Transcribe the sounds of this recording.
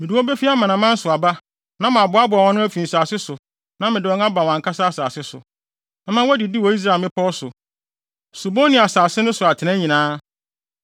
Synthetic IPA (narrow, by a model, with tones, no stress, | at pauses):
mɪ̃˨du˨˦ɔ˦bɛ˦fi˦a˦mã˨nã˨mã˦n̩˦sʊ˨a˨ba˦ | nã˦mã˨bʊ˨˦a˦bʊ˨a˨wɔ̃˦nʊ̃˦æ˦fĩ˨n̩˨saː˨sɪ˦sʊ˨ | nã˦mɪ̃˨dɪ˨ɔ˦ŋ˦a˦ba˨wã˨ŋ˨kʰa˦sa˦a˦saː˨sɪ˦sʊ̰˨ | ɛ̃˦mã˦wɔ˦dɪ˨di˦wɔ˨i˦s̬ɾa˨mɪ̃˦pʰɔ˦ɔ˦sʊ˨ | so˨bo˦nĩ˨a˨saː˨sɪ˦nʊ̃˦sʊ˨a˨tʰɪ˨nã˦ɲĩ˨nãː˦